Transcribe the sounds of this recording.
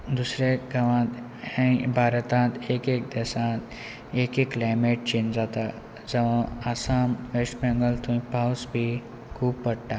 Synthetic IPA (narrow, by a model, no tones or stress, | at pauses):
d̪usɾeɡɐʋãːt̪ | ɛ̃bʱaːɾət̪ãːt̪eːkeːk̚d̪esãːt̪ | eːkekːlaːjmeːʈ̚t͡ʃẽːnd͡zaːt̪a | d͡zɐʋãasaːmʋesʈmẽŋɡəlt̪ʰũĩpawsbʱi | kʰuːbpɐɽʈ̪a